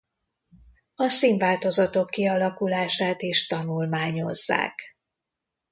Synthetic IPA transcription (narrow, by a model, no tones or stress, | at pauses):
ɒsiːɱvaːlt̪o̞zɒt̪o̞kːiɒlɒkulaːʃaːt̪iʃt̪ɒnulmaːɲo̞̰zːa̰ːk